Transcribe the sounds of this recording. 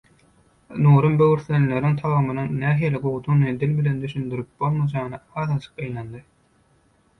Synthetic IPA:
nuːɾɯmbøwyɾθlenle̞ɾiŋt̪ʰɑlˠʁɯmɯnɯnæːɦiːlʲiɡoɣut̪ʰuŋned̪ilbile̞nd̪yʃynd̪yɾyp̚b̥o̞lˠmɑd͡ʒɑɯnɯɑːðɑt͡ʃʰɯ̥qɯjnlɑnd̪ɯ

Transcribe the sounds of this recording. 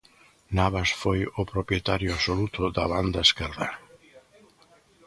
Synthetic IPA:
naβasfojʊpɾopjet̪aɾjʊasolut̪ʊd̪ɐβand̪aeskɛlða

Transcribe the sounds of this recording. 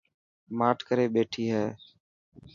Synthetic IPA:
maːʈʰkəɾeːɓeːʈʰiːɦɛː

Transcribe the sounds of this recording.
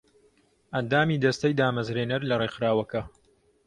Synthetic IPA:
ʔɐnd̪aːmiːd̪ɐst̪ɐjd̪aːmɐzɾeːnɐɾlɐrexɾaːwɐkɐ

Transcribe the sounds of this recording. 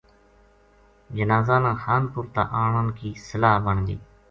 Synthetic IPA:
d͡ʒənaːzaːnãːxaːnpʊɾt̪a̰ːʔaːɳənkiːsəlaːɦbəɳɡ̪ḭː

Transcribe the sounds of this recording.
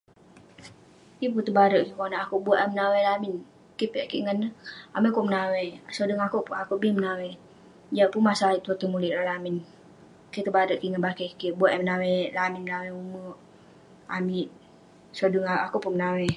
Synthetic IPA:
kip̬ut̪ubaɾəʔkikonaakuʔbuaʔɛmənawelamɪn | kipiaʔkiʔŋanːəa̰miʔkumənawesodəŋakuʔpuakuʔbimənawe | d͡ʒapunmasait̪at̪əmulilalamɪn | kit̪ubaɾəʔkiŋanbakekibuaʔɛmənawelamɪnmənaweuməʔ | a̰miʔ | sodəŋaakupunmənawe

